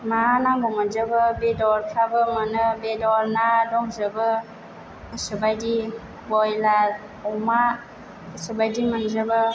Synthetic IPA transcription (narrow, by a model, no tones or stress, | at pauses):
manaŋɡɔŋənzəbɯbedɔɾkʰabɯmənɯbedɔɾnadɔŋzəbɯ | əsəbajdi | bɔjlaɾ | ɔma | əsəbajdiŋənzəbɯ